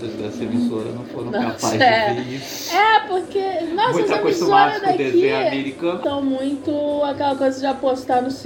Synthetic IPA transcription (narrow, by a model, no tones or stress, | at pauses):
d̪ezd̪ɛ̰sɐemisoɾɐ̰nɐ̃wfoñnɐ̃aɛi | ɛpoɾkenɔõjɐst̪ɐekoisoɐd̪akd̪ezieamɛɾikɐ̃t̪ɐ̃w̃mũj̃t̪ʊakɛlɐkojzɐd͡ʒɪapost̪anʊs